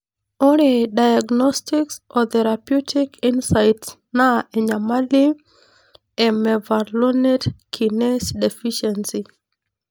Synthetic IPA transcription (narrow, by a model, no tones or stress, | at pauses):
oɾedajaɡnɔstiksɔt̪ɛɾapjutʰikinsajt | naeɲamali | ɛmɛvaɾlonetkʰinɛsdefiʃɛnsi